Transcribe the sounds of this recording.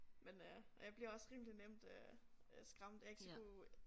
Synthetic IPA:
menøjäɪb̥liɐɒ̽sʁiːmlinem̰d̥øsɡ̥ʁɑ̈m̰d̥jɑe̝ɡ̥sku

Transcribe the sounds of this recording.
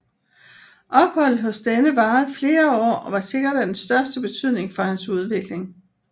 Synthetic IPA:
ʔɒ̽b̥hɒ̽l̰d̩ˠɦɔ̽sd̥enəʋɑ̈ːð̩ˠfle̝ːɐɒ̰ːɒʋɑ̈se̝ɡ̥ɐɾ̥æd̥ensd̥ɶɐsd̥əb̥e̝t͡sʰyð̞̰ˠne̝ŋfɒ̽hænsuð̞ˠʋe̝ɡ̥le̝ŋ

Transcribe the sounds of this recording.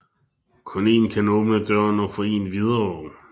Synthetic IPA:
kʰɔ̽ne̝̰ːnkʰænɔ̽ːb̥nəd̥ɶɐ̰nɒ̽fɒḛːnʋið̞ˠɐɒʊ̰

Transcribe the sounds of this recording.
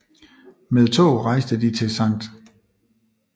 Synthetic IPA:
með̞ˠt͡sʰo̝̰ːʁɑ̈ɪ̰sd̥əd̥it͡sʰe̝lsæn̰d̥

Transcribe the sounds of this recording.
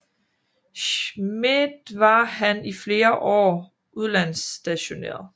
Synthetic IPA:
ɕmid̥ʋɑ̈hænifle̝ːɐʔɒ̰ː | ʔuð̞ˠlæn̰sd̥æɕo̝nḛːɐðˠ

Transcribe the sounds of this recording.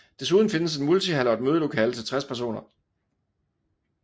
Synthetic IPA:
d̥e̝s̬uð̞ˠn̩fe̝nəse̝nmult͡sʰiɦælɐd̥̚møð̞ˠəlo̝kʰɛ̰ːlət͡sʰe̝lt͡sʰʁaspʰæɐs̬o̝̰ːnɐ

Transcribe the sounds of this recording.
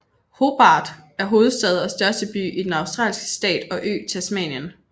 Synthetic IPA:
ho̝b̥ɑ̈ːd̥ | æɐɦo̝ːð̞̩ˠsd̥ɛð̞ˠɒsd̥ɶɐsd̥əb̥y̰ːid̥enɑ̈ʊsd̥ʁɑ̰ːlsɡ̥ə̥sd̥ɛ̰ːd̥ɒ̽ʔø̰ːt͡sʰe̝æsmɛ̰ːnjən

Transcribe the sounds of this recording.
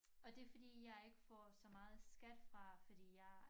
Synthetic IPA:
ɒ̽d̥e̝fɒ̽d̥ḭːjɑ̈ɪe̝ɡ̥əfɒ̰sɒ̽mɑ̈ːð̞̩ˠsɡ̥æd̥fʁɑ̈fɒ̽d̥ḭːjɑ̈ɪ

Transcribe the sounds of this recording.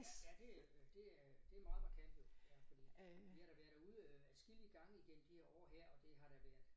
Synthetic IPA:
jææd̥e̝d̥e̝ | d̥e̝æmɑ̈ːð̩ˠpʰɑ̈kʰemb̥ð̩ˠjæfɒ̽d̥ḭːʋihɑɾ̥æʋæɐd̥æuð̞ˠæɐsɡ̥iliəɡ̥ɑ̈ŋ̰əiɡ̥em̰m̩d̥iheɐ̰ɒ̰ːɦæɐ̰ɒ̽d̥e̝ɦɑ̈ɾ̥æʋæɐ̰ð̥ˠ

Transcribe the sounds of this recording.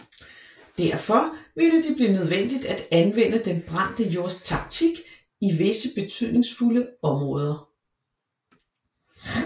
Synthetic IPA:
d̥æɐ̰fɒ̽ʋeləd̥eb̥liːnøð̞ˠʋen̰d̥id̥æd̥ænʋen̰əd̥enb̥ʁɑn̰d̥əjoɐst͡sʰɑ̈ɡ̥̚t͡sʰiɡ̥ | iʋe̝səb̥e̝t͡sʰy̰ð̞̰ˠne̝ŋsfuləɒ̽mʁɔ̽ːð̞ˠɐ

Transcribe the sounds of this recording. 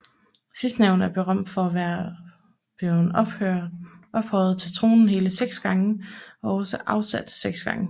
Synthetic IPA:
sisd̥næʊn̩æɐb̥e̝ʁɶm̰d̥fɒ̽æʋæɐ | b̥eʊn | ʔɒ̽b̥hɒɪð̩ˠt͡sʰe̝lt͡sʰʁo̝̰ːnn̩ɦe̝ːləseɡ̥sɡ̥ɑ̈ŋəɒ̽ɒ̽səʔɑ̈ʊsæd̥seɡ̥sɡ̥ɑ̈ŋə

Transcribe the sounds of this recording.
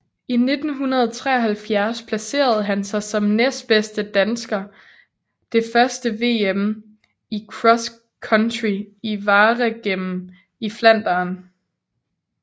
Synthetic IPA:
ine̝d̥n̩ɦunɐð̞ˠt͡sʰʁɛ̰ːɐɦælfjæɐspʰlæse̝̰ːɐð̞̩ˠɦænsɑ̈ɪsɒ̽mnesd̥b̥esd̥əd̥ænsɡ̥ɐ | d̥e̝fɶɐsd̥əʋe̝̰ːem | ikʰʁɒ̽s | kʰɒnd̥ʁiiʋɑ̈ːʁəɡ̥em̰m̩ | iflæn̰d̥ɐːn

